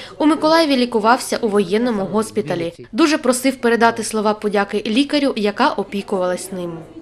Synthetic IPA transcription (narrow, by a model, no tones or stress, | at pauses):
umɪkɔlˠɑjɔʋʲilʲikʊʋɑwsʲɐʔuʋɔjɛnːɔmʊɦɔspʲit̪ɐlʲid̪uʒɛpɾɔsɪwpeɾe̞d̪ɑt̪ɪslˠɔʋɑpɔdʲakɪlʲikɐɾʲiwjɐkɑʔɔpʲikʊʋɐlˠɐsʲnɪm